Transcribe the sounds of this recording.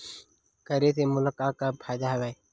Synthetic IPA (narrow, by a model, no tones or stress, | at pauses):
kəɾeːseːmʊləkaːkːapʰaːjd̪aɦəʋaːeː